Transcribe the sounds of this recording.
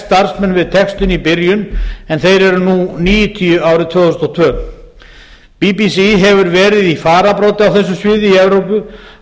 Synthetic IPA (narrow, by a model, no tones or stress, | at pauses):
t̪aɾ̥smɛnːvɪðt̪ʰɛkst̪ʏnipɪɾjʏnɛnθejɾɛɾʏnuniːjʏt̪ʰiʏaːwɾɪðt̪ʰv̥œːɣʏsnɔt̪ʰvœː | pipisiɦɛvʏɾvɛːɾɪðifaːɾapɾoːt̪ɪawθɛs̬ːʏsvɪːðɪiɛvɾowpʏ